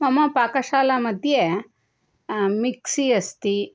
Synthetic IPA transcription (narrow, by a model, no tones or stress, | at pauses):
mɐmɐpaːkɐʃaːlamɐd̪ʱje | miksiɐst̪i